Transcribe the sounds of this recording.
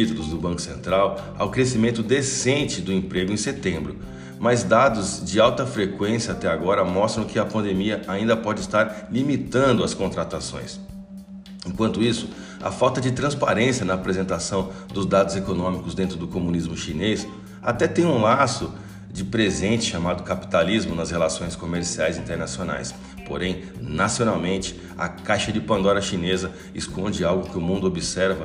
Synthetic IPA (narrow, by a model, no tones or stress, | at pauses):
it̪ulʊzd̪ʊbɐ̃kʊ̥sḛ̃nt̪ɾaw | a̰wkɾesimẽnt̪ʊd̪esẽnt͡ʃɪd̪ʊẽpɾeɡʊẽset̪ẽmbɾʊ | mɐzd̪ad̪ʊzd͡ʒɪawt̪ɐfɾekwẽsjɐat̪ɛaɡɔɾɐmɔst̪ɾɐ̃w̃kɪɐpɐ̃nd̪emiɐaĩnd̪ɐpɔd͡ʒɪst̪aɾlimit̪ɐ̃nd̪ʊɐskõnt̪ɾat̪asõ̰j̃s | ẽkwɐ̃nt̪ʊisʊ̥ | ɐ̰fawt̪ɐd͡ʒɪt̪ɾɐ̃spa̰ɾẽsiɐnɐːpɾezẽnt̪asɐ̃w̃ | d̪ʊzd̪ad̪ʊzekonõmikʊzd̪ẽnt̪ɾʊd̪ʊkomũnizmʊʃines | at̪ɛt̪ẽj̃ũlasʊ | d͡ʒɪpɾezẽnt͡ʃɪʃamad̪ʊkapi̥t̪alizmʊnɐshelasõj̃skomeɾsiajzĩnt̪eɾnasiona̰js | po̰ɾẽj̃ | nasionawmẽnt͡ʃɪ̥ | ɐ̰kajʃɐd͡ʒɪpɐ̃nd̪ɔɾɐʃinezɐ | ɪskõnd͡ʒɪawɡʊkɪʊmũnd̪ʊobisɛɾvɐ